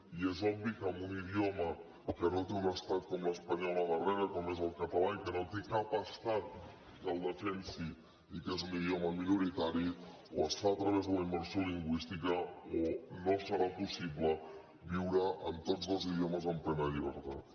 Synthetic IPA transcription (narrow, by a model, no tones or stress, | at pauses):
iezɔbβikəmbuniðjomə | kənot̪eunəst̪at̪̚komləspəɲɔləðəreɾəkomezəlˠkət̪alaikənot̪ekapəst̪at̪̚ | d̪əlˠd̪əfensi | ikezuniðioməminuɾit̪aɾi | o̰əst̪at̪ɾəβ̞ezðələimːəɾsjoliŋɡwist̪ikəonosəɾapusiplə | βiwɾəʔənt̪od͡zðəlˠzið̞ioməzəmplɛnəʎiβ̞əɾt̪at̪